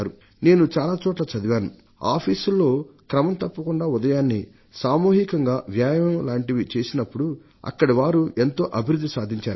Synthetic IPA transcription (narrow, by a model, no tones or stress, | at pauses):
aːɾu | ne̞ːnut͡ʃaːlaːt͡ʃɔːʈlɐt͡ʃɐd̪iʋaːnu | a̰ːpʰiːsulːo̞ːkɾɐmɐmt̪ɐpːɐkuɳɖaːud̪ɐjaːnːi | saːmuːɦikɐŋɡaːʋjaːjɐɐmlaːɳʈiʋit͡ʃe̞ːsinɐpːuɽu | ɐ̰kːɐɽiʋaːɾuʔe̞nt̪o̞ːʔɐbʱiɾud̪ʱːisaːd̪ʱiɲt͡ʃaːɾu